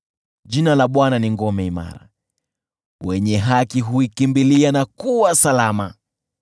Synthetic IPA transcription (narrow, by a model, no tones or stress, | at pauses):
ʄinalaɓwananiŋɡɔmɛima̰ɾa̰ | wɛɲɛɦakiɦuikimbilianakuwasalama